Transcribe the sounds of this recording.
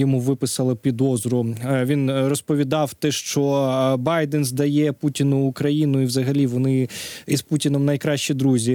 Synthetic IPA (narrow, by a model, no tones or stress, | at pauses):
ɔmuʋɪpɪsɐlˠɪpʲid̪ɔzɾʊʋʲinrɔspɔʋʲid̪ɑwt̪ɛʃt͡ʃɔbɑjd̪ɛnzd̪ɐjɛputʲinʊːkɾɐjinʊiwzɐɦɐlʲiʋɔnɪisputʲinɔmnɐjkɾɑʃʲt͡ʃid̪ɾuzʲi